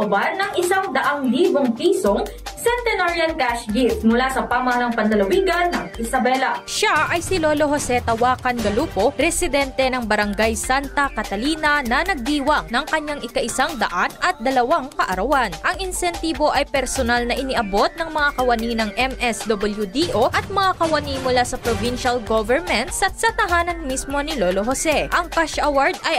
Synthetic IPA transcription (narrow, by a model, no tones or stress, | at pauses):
ʊbadnɐŋʔɪsaŋd̪ɐʔaŋliːboŋpiːsoŋ | sɛnt̪ɛnaɹiɐnkaʃɡit̪̚mʊlasɐpamɐhalaŋpɐnlɐlɐwiːɡɐnːɐŋʔɪsɐbɛlɐʃaʔɐjsɪloːlo̞ɦosɛt̪ɐwaːkɐnɡɐluːpo̞ɾɛsɪd̪ɛnt̪ɛnɐŋbɐɾɐŋɡajsant̪ɐkɐt̪ɐliːnɐnɐnɐɡ̚d̪iːwɐŋnɐŋkɐɲaŋɪkɐʔɪsaŋd̪ɐʔanɐt̪̚d̪ɐlɐwaŋkɐʔɐɾɐwanʔɐŋɪnsɛnt̪iːbo̞ʔɐjpɛɾsonalnɐʔɪnɪʔɐbo̞t̪̚nɐŋmɐŋakɐwɐniːnɐŋʔɛmɛsd̪obɪljud̪iʔoʔɐt̪̚mɐŋakɐwɐnimʊlasɐpɾovinʃɐlɡovɛɹmɛnt̪sɐsɐt̪ɐɦaːnɐnmismo̞nɪlolo̞ɦosɛʔɐŋkaʃʔɐwaɹd̪ɐj